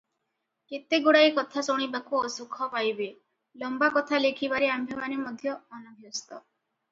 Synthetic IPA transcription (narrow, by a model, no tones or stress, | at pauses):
ket̪eɡoɽajkɔt̪ʰasoɽ̃ibakuɔsukʰɔpajbe | lɔmbakɔt̪ʰalekʰibaɾeambʱemanemɔd̪ʱjɔːnɔbʱjɔst̪ɔ